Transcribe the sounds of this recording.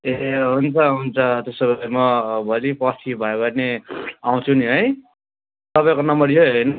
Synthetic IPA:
eɦunt͡sʰʌɦunt͡sʰʌt̪esʌbʱaimʌbʱʌlipʌtʰibʱʌjebʌneaw̃t͡sʰuniɦʌj | t̪ʌbajkonʌmʌɾjoɦʌjn

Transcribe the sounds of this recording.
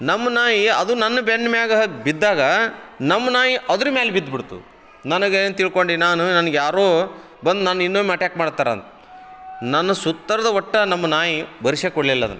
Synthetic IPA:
nɐmːɐnaːjiɐd̪unɐnːɐbenːɐmjaːɡɐbid̪ːaːɡɐnɐmːɐnaːjiʔɐd̪ɐɾumeːlebid̪ːbiɽt̪ṵ | nɐnɐɡeːnt̪iɭko̞ɳɖinaːnunɐnɐɡjaːɾoː | bɐnd̪naːninːoːmɐʈaːkmaːɽt̪ːaːɾeɐ̰nt̪ɐ̥ | nɐnːɐsut̪ːɐɾɐd̪ɐɔʈːɐnɐmːɐnaːjibɐɾiʂekɔɽlilːɐd̪ɐ̰nːu

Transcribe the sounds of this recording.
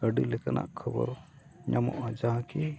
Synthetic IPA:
əɖilɛkana̰ʔkʰəbɔ̰ɾ | ɲamɔ̰ʔad͡ʒaɦãki

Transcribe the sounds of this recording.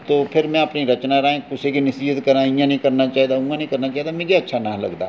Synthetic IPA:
t̪oːpʰɪɾmɛ̃ɐpniɾɐt͡ʃnaɾəẽkʊsikinɪsiːət̪kɐɾaːĩãnɐɦĩkɐɾnat͡ʃaːɦd̪aũːãnɐ̃ɦĩkɐɾnat͡ʃaːɦd̪amẽːd͡ʒeɐtːʃʰanaːlɐ̰ɡd̪a̰ː

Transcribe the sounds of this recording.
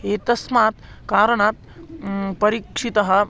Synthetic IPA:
et̪ɐsmaːt̪ | kaːɾəɳaːt̪̚ | pɐɾikʂit̪ɐɦɐ̆

